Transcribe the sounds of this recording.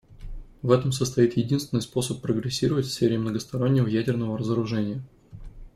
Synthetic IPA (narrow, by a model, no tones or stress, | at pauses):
vɛt̪əmsəst̪ɐit̪jɪdʲinst̪vʲɪnjʲspo̞səpːɾəɡɾʲɪsʲːiɾəvətʲfʲsʲfʲeɾʲɪɪmnəɡəst̪ɐɾo̞nʲːɪvəjædʲɪrnəvəɾəzəɾʊʐɛnʲɪjə